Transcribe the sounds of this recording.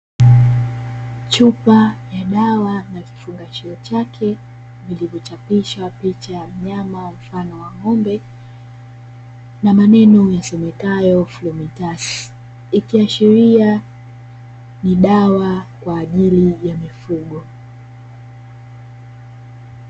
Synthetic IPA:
t͡ʃupajaɗawanaki̥fuŋɡat͡ʃiɔt͡ʃakʰɛ | vilivɔt͡ʃapiʃwapit͡ʃajam̩ɲamam̩fanɔwaŋɔmbɛ | namanɛnɔjasɔmɛkajɔflɔmitas | ikiaʃiɾia | niɗawakwaːʄilijamifuɠɔ

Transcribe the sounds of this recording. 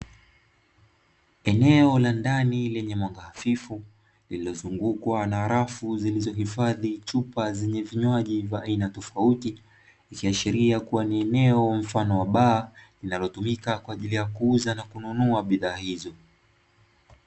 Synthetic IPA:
ɛnɛɔlandanilɛɲɛmwaŋɡahafifu | lililɔzuŋɡukwanaːɾafuzilizɔɦifaðit͡ʃupazɛɲɛviɲwaʄivaʔːinatɔfauti | ikiaʃiɾiakuwaniɛnɛɔm̩fanɔwaɓaːlinalɔtumikakwaːʄilijakuuzanakununuaɓiðaːhizɔ

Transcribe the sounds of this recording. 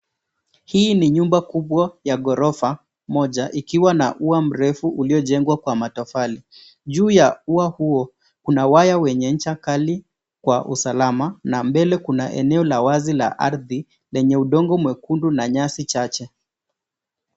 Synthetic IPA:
hiːniɲumbakuɓwajaɠɔɾɔfa | mɔʄaʔikiwana̰ʔuam̩ɾɛfuʔuliɔʄɛŋɡwakwamatɔfali | ʄuːjauahuɔ | kunawajawɛɲɛnɲ̩t͡ʃakali | kwaʔṵsalamanambɛlɛkunaʔɛ̰nɛɔlawazila̰ʔaɾði | lɛɲɛuɗɔŋɡɔmwɛkundunaɲasit͡ʃat͡ʃɛ

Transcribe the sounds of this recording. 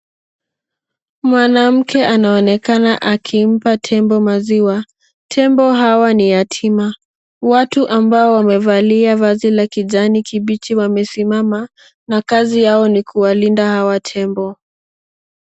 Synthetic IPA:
mwanam̩kʰɛʔanaɔnɛkanaʔakʰim̩patʰɛmbɔmaziwa | tʰɛmbɔɦawanijatʰima | watuʔambaɔwamɛvaliavazilakiʄanikʰiɓit͡ʃiwamɛsimama | nakazijaɔnikʰuwalindahawatʰɛmbɔ

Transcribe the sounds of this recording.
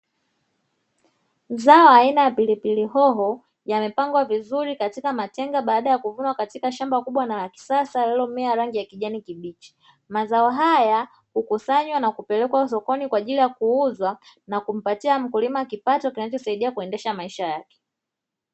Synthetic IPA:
zaɔainajapilipiliɦɔɦɔ | jamɛpaŋɡwavizuɾikatikamatɛŋɡaɓaːɗajakuvunwakatikaʃambakuɓwanaki̥sasalɛlɔmɛaɾaŋɡijakiʄanikiɓit͡ʃi̥ | mazaɔɦaja | hukusaɲwanakupɛlɛkwasɔkɔnikwaːʄilijakuuzwa | nakum̩patiam̩kulimakipatɔkinat͡ʃɔsaiɗiakuɛndɛʃamaiʃajakɛ̥

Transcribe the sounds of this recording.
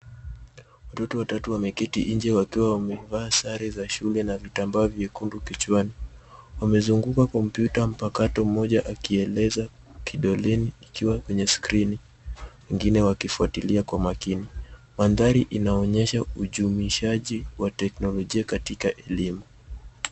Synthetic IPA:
watɔtɔwatatuwamɛkɛtiʔiɲd͡ʒɛwakiwawamɛvaːsaɾizaʃulɛnavitambaɔvjɛkundukit͡ʃwaniwamɛzuŋɡukakɔm̩pjutam̩pakatɔm̩mɔʄaʔakiɛlɛza | kʰiɗɔlɛniːkiwakwɛɲɛskɾini | wɛŋɡinɛwakifuatiliakwamakini | manðaɾiʔinaɔɲɛʃauʄumiʃaʄiwatɛknɔlɔʄiakatikaʔɛlimu

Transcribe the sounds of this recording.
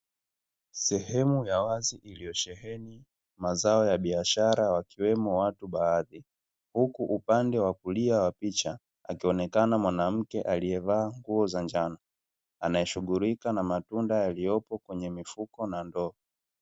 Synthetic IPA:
sɛhɛmujawaziʔilijɔʃɛhɛni | mazaɔjaɓiaʃaɾawakiwɛmɔwatuɓaːði | hukuʔupandɛwakuliawapit͡ʃa | a̰kiɔnɛkanamwanam̩kɛʔalijɛvaːŋɡuɔzand͡ʒana | anajɛʃuɡuɾikanamatundajalijɔpɔkwɛɲɛmifukɔnandɔɔ

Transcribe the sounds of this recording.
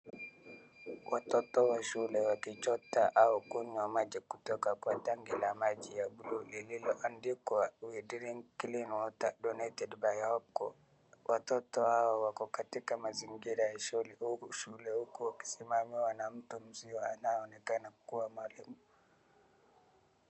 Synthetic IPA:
wʔatɔtɔwaʃulɛwakit͡ʃɔtːaʔawɔkuɲɔmad͡ʒɛkutɔkakuwataŋɡɛlamad͡ʒijabululɛlilɔʔandikɔawidiɾiŋkilinwɔtadɔnatɛdbajhɔb̚kɔ | wʔatɔtɔhawawakɔkatikamaziŋɡiɾaɛʃoliuʃulɛukuwaki̥simamiwanam̩tumziwaanawɔnɛkanakuwamalimu

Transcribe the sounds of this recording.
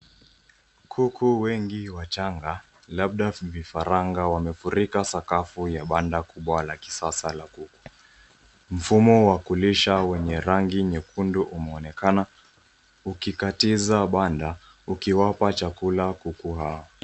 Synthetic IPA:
kʰukʰuwɛŋɡiwat͡ʃaŋɡa | laɓ̚ɗavifaɾaŋɡawamɛfuɾikasakafujaɓandakuɓwalaki̥sasalakuku̥ | m̩fumɔwakuliʃawɛɲɛɾaŋɡiɲɛkunduʔumɛɔnɛkana | ukikatizaɓanda | ukiwapat͡ʃakulakukuɦaɔ

